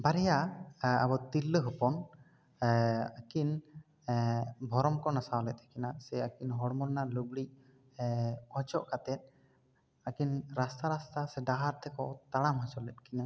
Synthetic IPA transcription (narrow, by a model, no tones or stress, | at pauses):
baɾɛjaa̰bɔt̪ilːəɦɯpɔn | akin | bʱɔɾɔmkɔnasawlɛt̪ɛkinasɛakinɦɔɽmɔɾnaɾlubɽiʔ̚ | ɔt͡ʃɔʔkat̪ɛt̪̚ˀ | akinɾast̪aɾast̪asɛɖaɦaɾt̪ʰɛkɔt̪aɽamɦasɔɾlɛt̪̚kʰina